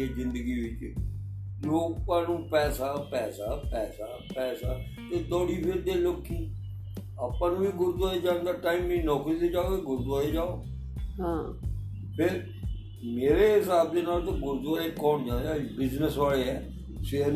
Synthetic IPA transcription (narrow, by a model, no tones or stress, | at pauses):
eːzɪnd̪əɡiːʋɪt͡ʃ | d͡ʒloːkpãːnũːpɛːsaːpɛːsaːpɛːsaːpɛːsaː | t̪eːd̪ɔːɽiːpʰɪɾd̪eːloːkːiː | əpãːnũːʋiːɡʊɾd̪aːeːd͡ʒãːnd̪aːʈaːiːmːĩːnɔːkiːd̪eːd͡ʒaːoːkeːɡʊɾd̪aːeːd͡ʒaːoː | ɦãː | pʰɪɾ | meːɾeːɦɪsaːb̚d̪eːnaːlt̪õːɡʊɾd̪aːekːɔːɳd͡ʒãːnd̪aːbɪznəsʋaːɭeːɦɛː | se